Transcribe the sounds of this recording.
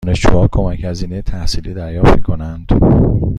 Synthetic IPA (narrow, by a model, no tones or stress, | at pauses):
ne̞ʃd͡ʒṵːhɒːkʰo̞mæchæziːnejet̪ʰæhsiːliːd̪æɾjɒːft̪mikʰo̞nænd̪̥